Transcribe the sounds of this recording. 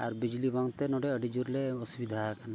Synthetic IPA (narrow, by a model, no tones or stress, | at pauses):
aɾbid͡ʒlibaŋt̪enoɖeəɖid͡ʒuɾleosubid̪ʱakna